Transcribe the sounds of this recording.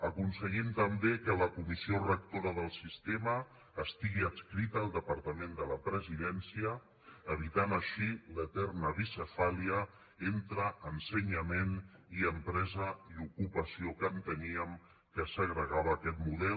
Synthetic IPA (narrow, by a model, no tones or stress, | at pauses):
əkunsəɣimt̪əmbekələkumisiorək̚t̪oɾəðəlˠsist̪eməː | st̪iɣiəskɾit̪əːlˠd̪əpəɾt̪əmend̪ələpɾəziðɛnsiəː | β̞it̪anəʃilət̪ɛrnəβisəfaliə | ent̪ɾəʔənsəɲəmeniəmpɾɛzəiukupəsiokənt̪əniəm | kəsəɣɾəɣaβəːkɛt̪muðɛ